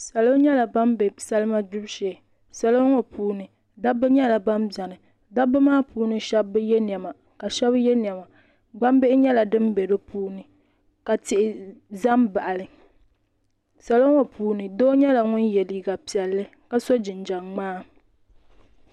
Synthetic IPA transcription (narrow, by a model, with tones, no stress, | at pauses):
sa˨lo˦ɲɛ˦la˨ba˦mbɛ˨sa˦lɨ˦ma˦dʊ˦bʃɛ˨ | sa˨lo˦ŋɔ˦puː˦nɨ˨ | da˦bɨ˦ɲɛ˦la˨ba˦mbja˨nɨ˨ | da˦bɨ˦maː˦pʰuː˦nɨ˦ʃɛ˦bɨ˦jɛ˦ni˨ɛ˨ma˨ | ka˨ʃɛ˦bjɛ˦n˨ɛ˨ma˨ | ɡ͡ba˦m˦be˦ɪ˦ɲɛ˦la˨dɨ˦mbɛ˨ɾɨ˦puː˦nɨ˨ | ka˨tɪ˨ʔɪ˨za˦mba˨ʔa˨lɨ˨ | sa˨lo˦ŋɔ˨pʰuː˦nɨ˨doː˦ɲɛ˦la˨ŋʊ˦njɛ˨li˦ɡa˨pi˨ɛ˨lːɨ˦ | ka˦so˦d͡ʒɪ˨nd͡ʒa˨ŋŋ͡maː˦